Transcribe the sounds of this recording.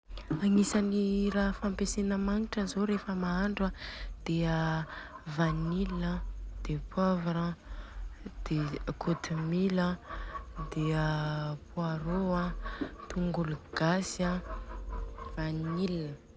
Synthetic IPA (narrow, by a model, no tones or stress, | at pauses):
aŋisaniraɦfampesenəmaŋiʈ͡ʂəzoɾefəmaaɳɖ͡ʐad̪̥eə | vanilnəd̪̥epwavaɾa | d̪̥ekʰot̪imilə | d̪eəpuaɾoat̪uŋɡuluɡ̥asa | vanilinə